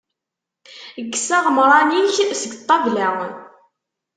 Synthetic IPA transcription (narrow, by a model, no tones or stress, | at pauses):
əɡːsæʁəmɾˤɑniçsəɡt̪ˤːɑvlæwn